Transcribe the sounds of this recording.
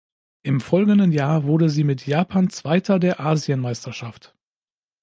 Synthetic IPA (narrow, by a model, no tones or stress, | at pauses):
ʔɪmfɔlɡŋn̩dənjaːɐvʊɐdəziːmɪtʰjaːpʰaːnt͡sv̥aɪtʰɐdeːɐʔaːziənmaɪstʰɐʃaft